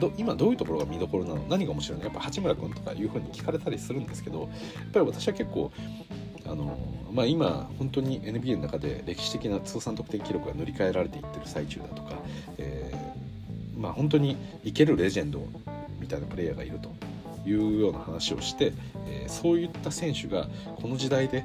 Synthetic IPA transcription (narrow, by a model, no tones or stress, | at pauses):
d̪oimad̪o̞ːjɯ̟t̪o̞ko̞ɾo̞ɡamʲid̪o̞ko̞ɾo̞nano̞̰naɲ̟ikaomoɕiɾo̞injapːahat͡ɕimɯ̟ɾakɯ̟̃nt̪o̞ka̰jɯ̟ːɸɯ̟ːɲ̟ikʲi̥kaɾe̞t̪aɾʲisɨɾɯ̟̃nd̪e̞sɨ̥ke̞d̪o̞ | japːaɾʲiβat̪ḁɕiβake̞kːo̞̰ː | a̰no̞̰maːima̰hõ̞nt̪o̞ɲ̟iʔe̞nɯ̟bʲiːnonakad̪e̞̰ɾe̞kʲi̥ɕi̥t̪e̞kʲinat͡sɨːsãnt̪o̞kɯ̟̥t̪e̞ŋkʲiɾʲo̞kɯ̟ɡano̞ɾʲikae̞ɾaɾe̞t̪e̞it̪ːe̞ɾɯ̟sait͡ɕɨ̰ːd̪at̪o̞̥ka̰ | ḛː | mahõ̞nt̪̬o̞ɲ̟i | ike̞ɾɯ̟ɾe̞ʑẽ̞nd̪o̞̰ | mʲit̪ainapɯ̟ɾe̞jaɡa̰ḭɾɯ̟t̪o̞ | jɯ̟ːjo̞ːnahanaɕio̞̰ɕi̥t̪e̞ | ḛːso̞ːjɯ̟t̪ːasẽ̞ɰ̃ɕɨɡa̰ | kʰo̞no̞ʑid̪aid̪e̞